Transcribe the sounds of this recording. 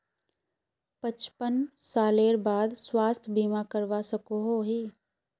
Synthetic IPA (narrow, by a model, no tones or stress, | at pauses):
pət͡ʃpənsaːleːɾbaːd̪swaːst̪ʰbiːmakəɾʋasəkoɦoɦiː